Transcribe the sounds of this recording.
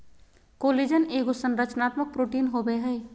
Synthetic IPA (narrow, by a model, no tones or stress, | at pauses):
kolid͡ʒəneːɡosənɾət͡ʃnaːt̪mək̚pɾoːʈiːnɦobeɦɛ